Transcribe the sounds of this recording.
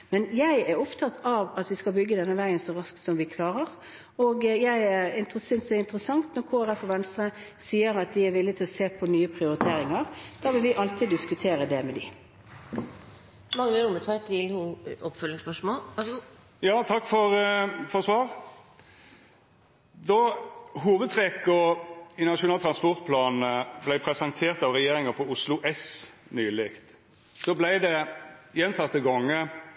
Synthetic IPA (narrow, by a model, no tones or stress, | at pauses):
mɛnjæɪæɾʊpt̪ʰɑt̪ʰɑʋɑt̪ʋɪskɑlbʏɡːəd̪ɛnːəʋæɪənsɔʁɑsk̪sɔmʋɪkʰlɑːɾəʁ | oːɡjæɪɛɾɪnt̪əsʏnsɛɪnt̪əɾəsɑŋt̪nɔɾkʰoːæɾɛfɔʋɛnst̪ʁə | siːəɾɑt̪̚d̪ɪæɾʋɪlːɪt̪ʰɪlɔseːpʰɔnyːəpʰʁɪʊɾɪt̪ʰeːɾɪŋəʁd̪̥ɑːʋɪlʋɪʔɑlt̪ʰɪd̪ɪskʉt̪ʰeːɾəd̪ɛmɛd̪ɪ̰ | mɑŋːnɾʊmət̪ʰɑt̪ʰɪlhʊɔpfœlːɪŋspœʂmoːl | jɑːt̪ʰɑkːfɔɾfɔʁsʋɑːʁ | d̪ɔɦuːʋəd̪̚t̪ʰʁɛkɔɪnɑʃʊnɑːt̪ʰɾɑnspɔʁt̪̚pʰlɑːnəblæɪpʰɾɛsənt̪ʰeːʁt̪ɑʋʁɛjeːɾɪŋəpʰɔʊslʊʔɛsnyːlɪkt̪ | sɔblæɪd̪ɛjɛnt̪ʰɑt̪ːəɡɔŋːə